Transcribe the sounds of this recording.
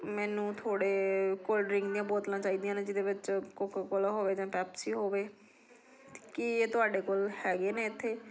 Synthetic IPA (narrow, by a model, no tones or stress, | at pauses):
mɛːnũːt̪ʰoːɽeːkoːlɖɾɪŋɡd̪iːãːboːt̪nãːt͡ʃaːiːd̪ijãːnẽːd͡ʒɪd̪eːʋɪt͡ʃkokkolaɦoːʋeːd͡ʒãːpɛːpsiːɦoːʋeː | kɪeːt̪ʊaːɖeːkoːlhɛːɡeːneːɪt̪ʰːeː